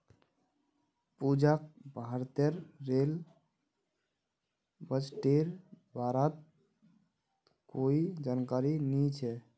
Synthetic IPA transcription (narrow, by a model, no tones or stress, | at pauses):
pud͡ʒak̚bʱaɾt̪eɾːel | bət͡ʃʈeɾbʱaɾət̪̚ | koid͡ʒankaɾinit͡ʃʰɛ